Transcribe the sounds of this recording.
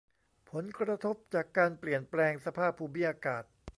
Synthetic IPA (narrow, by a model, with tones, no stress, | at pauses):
pʰo˩˦nkɾɾa˧t̪ʰo˦˥p̚t͡ɕaː˨˩kːaː˧npli˨˩ənplɛː˧ŋsa˧pʰaː˥˩pʰːuː˧mi˦˥ʔaː˧kaː˨˩t̪̚